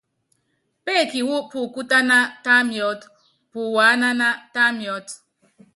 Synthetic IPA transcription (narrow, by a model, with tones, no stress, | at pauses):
pe˦˨ki˨wo˦pu˨ku˦ta˦na˦ta˦mjɔ˦t | pu˨wa˨˦na˦na˦ta˦mjɔ˦t